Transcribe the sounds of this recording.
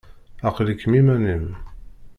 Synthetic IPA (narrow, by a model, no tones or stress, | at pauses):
æqlikːmimænim